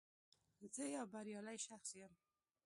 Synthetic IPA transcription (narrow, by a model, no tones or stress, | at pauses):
zəjɑwbaɾjɑlajʃaxsjəm